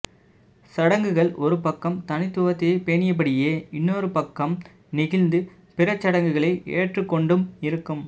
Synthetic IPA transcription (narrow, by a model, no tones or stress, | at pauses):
sɐɽɐŋɡɯɣɐɭɔɾɯpɐkːɐmt̪ɐnɪt̪ːʊɣɐt̪ːɪɐɪpeːɳɪjɐp̬ːɐɽɪjeːɪnːoːɾɯpɐkːɐm | nɪɣɪlnd̪ɯ | pɪrɐt͡ʃːɐɽɐŋɡɯɣɐɭɐɪʔḛːʈrɯkːɔɳɖɯmɪɾɯkːɯm